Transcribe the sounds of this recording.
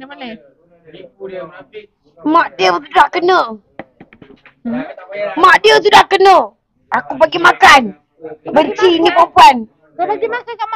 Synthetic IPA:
maʔdəwt̪̬udaʔkənə | maʔdəwt̪̬udaʔkənə | akupaɡimakan | bəɲt͡ʃinipapuan

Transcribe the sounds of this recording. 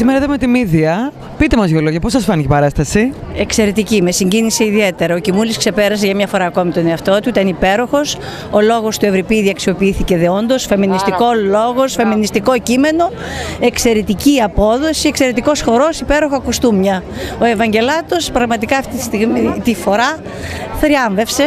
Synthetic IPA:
simeɾɐðemet̪imiðiɐ | pit̪emɐzʝoloʝɐposɐsfɐnicipɐɾɐst̪ɐsie̞kse̞ɾet̪icime̞siɲɟinise̞iðie̞t̪e̞ɾɐo̞cimuliskse̞peɾɐs̬eʝɐmɲɐfo̞ɾɐːko̞mit̪o̞ne̞ɐft̪o̞t̪uit̪ɐnipe̞ɾo̞xo̞s | o̞lo̞ɣo̞st̪ue̞vɾipiðiɐksio̞piiθice̞ðeo̞nd̪o̞sfe̞minist̪iko̞lo̞ɣo̞sfe̞minist̪iko̞cime̞no̞ | e̞kse̞ɾet̪iciɐpo̞ðo̞sie̞kse̞ɾet̪iko̞sxo̞ɾo̞sipe̞ɾo̞xoɐkust̪umɲɐo̞e̞vɐɲɟe̞lɐt̪o̞spɾɐɣmɐt̪ikɐːft̪it̪i̥st̪iɣmit̪ifo̞ɾɐ | θɾiɐɱve̞fse̞

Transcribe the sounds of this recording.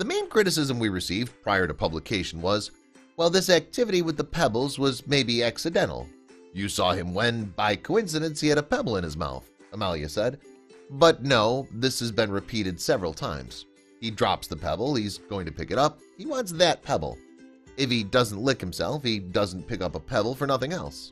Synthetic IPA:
ðɨmẽɪ̃nkʰɹ̥ɪɾɨs̬ɪzə̃mwiɹɨsivpʰɹ̥aɪə˞ɾɨpʰʌbləkʰeɪʃn̩wʌz | wɛlˠðɪsæk̚tʰɪvɨɾiwəɨðəpʰɛbl̩ˠzwʌzmeɪbiæksɨdɛ̃ɾ̃l̩ˠjɨsɔ̰ɨ̃mwɨ̃nbaɪkʰoʊɪ̃ns̬ɨɾɨ̃nshiɨɾəpʰɛbl̩ˠə̃ñɨzma̰ʊθ | əmælˠiɨ̰sɛd̚bʌtⁿnoʊðɪshɨzbɨ̃nɹɨpʰiɾɨd̥sɛvɹl̩ˠtʰã̰ɪ̃mz̥ | idɹɑ̰psðəpʰɛ̰bl̩ˠizɡoʊɪ̃ŋtʰɨpɪkɨɾʌp̚ | hiwɑ̃nts̬ðɨt̚pʰɛbl̩ˠ | ɨfidʌzn̩ʔˡlɪkhm̩sɛ̰lˠfhidʌzn̩pʰɪkʌpəpʰɛbl̩ˠfə˞nʌθɪ̃ŋɛ̰lˠs

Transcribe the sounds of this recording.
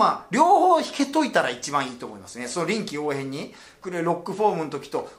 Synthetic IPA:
maɾʲo̞ːho̞ːçi̥ke̞t̪o̞it̪aɾait͡ɕibãɰ̃iːt̪o̞ːmo̞imasɨneso̞noɾʲĩŋkʲio̞ːhẽ̞ɲ̟ːi̥ | kɯ̟ɾɯɾo̞kːɯ̟ɸoːmɯ̟not̪o̞kʲi̥t̪o̞

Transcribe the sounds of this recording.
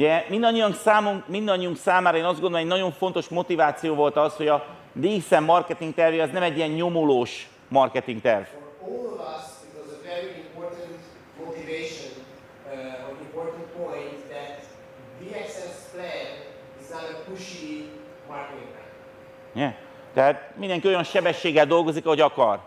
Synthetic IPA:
ɟɛmind̪ɒɲːijɒŋksaːmuŋkmind̪ɒɲːiuŋksaːmaːɾɒeːnɒzdɡond̪omɛɟnɒɟo̞ɱfo̞nt̪o̞ʃmo̞t̪ivaːt̪sijoːvo̞lt̪ɒsho̞ɟɒ | d̪iːsɛmːɒrkɛt̪iŋk̚t̪ɛrvjeɒznɛmɛɟːijɛɲːo̞moloːʃ | mɒrkɛt̪iŋk̚t̪ɛrvfɹɔlˠɔvʌsɪtɔzəvɛɹiĩmpoɹtə̃nt̪ | mot̪iveʃɔ̃n | ɔnĩmpoɹt̪ə̃ntpõj̃nt̪ðæt̪ | diɛksɛsplɛ̃nd | iznaɾəpuʃi | maɹkɛtĩŋɛ̰̃n | jɛ | t̪ɛɦaːt̪̚mind̪ɛŋkio̞jɒnʃɛbɛʃːeːɡɛld̪o̞lɡo̞zikɒɦo̞ɟɒkɒr

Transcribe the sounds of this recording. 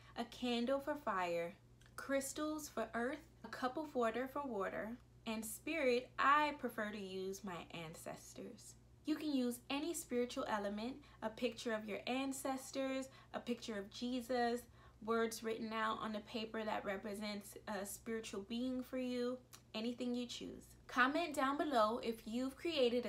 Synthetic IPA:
ʔɨkʰæ̃ndl̩ˠfə˞faɪə˞ | kʰɹ̥ɪstl̩ˠz̥fə˞ʔɜ˞θ | əkʰʌpl̩ˠʌvwɔɹɾə˞fə˞wɔɾə̰˞ | ɨ̃nspɪɹɪɾʔaɪpʰɹ̥ɨfɜ˞ɾɨjʉzmaɪʔæ̃nsɛ̰stə˞z̥ | jɨkɨ̃njʉzɛnispɪɹɨt͡ʃul̩ˠɛlˠəmɨ̃nt | əpʰɪk̚t͡ʃə˞ʌvjə˞ʔæ̃nsɛstə˞z | ʔəpɪk̚t͡ʃə˞ʌvd͡ʒizəs | wɜ˞dzɹɪʔn̩aʊɾn̩ðɨpʰeɪpə˞ðɨ̰ʔ̚ɹɛpɹɨzɛ̃ntsɨspɪɹɨt͡ʃl̩ˠbiɪ̃ŋfə˞jʉɛniθɪ̃ŋjɨt͡ʃʰʉ̰z̥ | kʰɑmɛ̃nd̥ãʊ̃nbɨloʊʔɪfjʉv̥kʰɹ̥ieɪɾɨɾ

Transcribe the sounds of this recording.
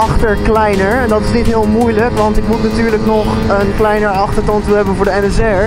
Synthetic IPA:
ʔɑχtəɹklɛjnəɹɛndɑtɪsnitɦɪːlˠmujləkʋɑntɪkmutnatyːɹləknɔχ | ənklɛjnəɹɑχtəɹtɔntuɦɛbənvʊːɹdəɛnɛsɛɹ

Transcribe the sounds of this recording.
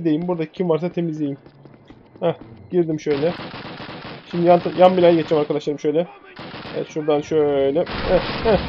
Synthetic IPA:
d̪e̞jimbuɾd̪acʰimvaɾsat̪ʰe̞mizd̪ʲejim | hɛɟ̥iɾd̪imʃøjlʲɛ | ʃimd̪ijant̪ʰajanbilʲajɟet͡ʃʰɛmaɾkad̪aʃlˠaɾɯmʃø̞jlʲɛɛvɛ̰t̪ʃuɾd̪anʃølɛøjlʲɛhɛhɛ

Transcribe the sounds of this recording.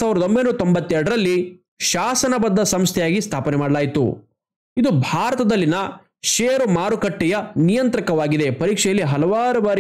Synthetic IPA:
saːʋiɾɐd̪o̞mbenuːɐt̪ombɐt̪ːɛɾɽɐɾɐlːi | ʃaːsɐnɐbɐd̪ːɐsɐmst̪ʰɛjaːɡist̪ʰaːpɐnɛmaːɽɐlaːjit̪ṵ | id̪ubʱaːɾɐt̪ɐd̪ɐlːinɐ | ʃeːɾumaːɾukɐʈːɛjɐnijɐnt̪ɾɐkɐʋaːɡid̪e̞pɐɾiːkʂɛjɐlːiɦɐlɐʋaːɾubaːɾi

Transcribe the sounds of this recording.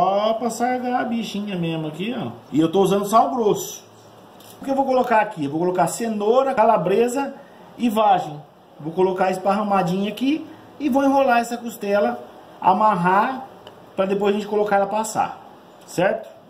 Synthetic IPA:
ɔpasaɡaɐbiʃĩɲɐmezmʊakiõɪewt̪ouzɐ̃nd̪ʊsaw̃ɡɾosʊ̥ | poɾkewvowkolokaɾakiewvowkolokasẽnoɾɐkalabɾezɐ | ɪvaʒẽj̃ | vowkolokaesɪ̥paɦɐ̃mad͡ʒĩɲʊaki | ɪvowẽɦolaɛsɐkust̪ɛlɐ | a̰maɦa | pɾɐd̪epojzɐʒẽt͡ʃɪkolokaɛlɐpasa̰ | sɛɾt̪ʊ̥

